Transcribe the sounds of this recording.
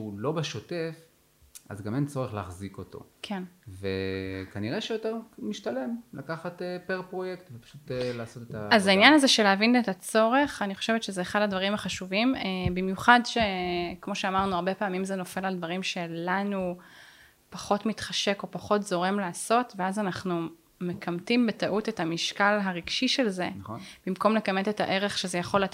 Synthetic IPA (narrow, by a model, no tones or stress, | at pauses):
ʃulo̞beʃote̞f | ʔa̰zɡament͡so̞ʁeχlːχziko̞to̞̰kʰenvḛkaniʁeʃejoteʁmiʃtale̞mlakaχatepeʁpʁo̞jektvepḁʃutlaːso̞tet̪aazainjanazeʃe̞laːvinetat͡so̞ʁe̞χaniχoʃevet̪ʃezeːχadhadvaʁimaχaʃuvimebimjuχadʃe̞kmo̞ʃeamaʁnuaʁbe̞paːmimzeno̞fe̞lald̪vaʁimʃe̞lanu | paχo̞tmitχaʃe̞ko̞paχo̞tzo̞ʁemlaːso̞tveazanaχnu | me̞kamtimbetaʔutetamiʃkalɦaʁiɡ̥ʃiʃe̞lze̞nnb̥imko̞mle̞kameteta̰ʔe̞ʁe̞χʃezejaχo̞la